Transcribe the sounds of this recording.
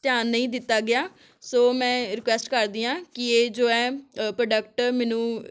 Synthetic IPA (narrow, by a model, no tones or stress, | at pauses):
t̪jaːnːəĩːd̪ɪt̪ːaːɡɪjaː | soːmɛ̃ːɾɪkwɛːsʈkəɾd̪iːãːkɪeːd͡ʒoːɛ̃ːpɾəɖək̚ʈmɛːnũː